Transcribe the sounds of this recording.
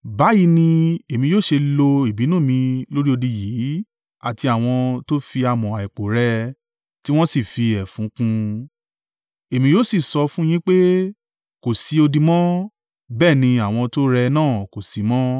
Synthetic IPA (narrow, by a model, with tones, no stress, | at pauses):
ba˨˦ji˧˦nĩ˧e˨mĩ˧joː˦ʃe˧lo˧i˨bi˨˦nũː˦˨mĩ˧lo˦ɾi˦o˧di˧jiː˨˦ | a˦˨ti˧a˨w̃ɔ̃˧to˦fi˧a˧mɔ̃˨a˨ɛ˨k͡po˨ɾɛ˧ | ti˦w̃ɔ̃˦si˦˨fi˧ɛ˨fũ˨˦kũ˧ | e˨mĩ˧joː˦si˦˨sɔ˧fũ˦j̃ĩ˦k͡pe˦ | ko˨si˨˦o˧di˧mɔ̃˦ | bɛː˦˨nĩ˧a˨w̃ɔ̃˧to˦ɾɛ˧nãː˦˨ko˨si˨˦mɔ̃˦